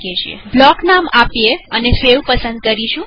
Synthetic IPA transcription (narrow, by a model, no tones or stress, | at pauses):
et͡ʃʰiḛblɔknamapjeənesewpəsənd̪̚kəɾiʃũ